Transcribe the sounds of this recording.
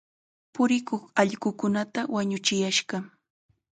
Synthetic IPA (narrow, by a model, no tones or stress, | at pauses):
pʊɾɪkoχɑʎɢʊkʊnat̪awaɲʊt͡ʃɪjaʃɢɑ